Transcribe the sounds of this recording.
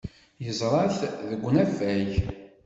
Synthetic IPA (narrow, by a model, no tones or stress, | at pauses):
jəzˤɾˤɑθðəɡʷːnæfæç